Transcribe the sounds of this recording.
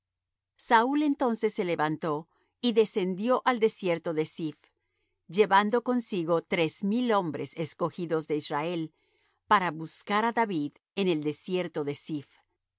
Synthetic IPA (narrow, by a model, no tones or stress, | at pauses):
saule̞nt̪o̞nse̞sːe̞le̞βant̪o̞ | iðe̞se̞nd̪jo̞ʔald̪e̞sje̞ɾt̪o̞ðe̞sif | d͡ʒe̞βand̪o̞ko̞nsiɣo̞t̪ɾezmilo̞mbɾese̞sko̞xiðo̞zðe̞israe̞l | paɾaβuskaɾaðaβið | ene̞ld̪e̞sje̞ɾt̪o̞ðe̞sif